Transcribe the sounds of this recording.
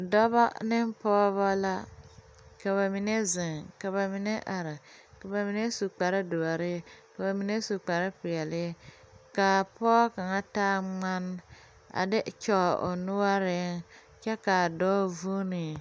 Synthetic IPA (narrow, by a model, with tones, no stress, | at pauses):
dɔ˦ba˦nɪ˦mpɔː˦βa˦la˦ | ka˨βa˨mi˨ne˦zɪ˨ŋka˨βa˨mi˦ne˦ʔa˨ɾɪ˨ka˨ba˨mi˨ne˦su˨k͡pa˨ɾɪ˦do˨a˨ɾɪ˦ka˨ba˨mi˨ne˦su˨k͡pa˨ɾɪ˦pɪ˨ɛ˨lɪ˦ | ka˨pɔː˦ka˨ŋa˦taː˦ŋ͡ma˦n˦ | a̰˨dɪ˦t͡ʃɔ˦˨ʔo̰˨nʊ˦wa˦ɾɪ˦ŋ | t͡ʃɛ˦ka˨dɔː˦vu˦nɪ˨